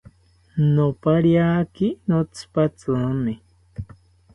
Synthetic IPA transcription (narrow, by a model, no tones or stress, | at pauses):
nopaɾjaːkinot͡sʰɨ̥pat͡sɨni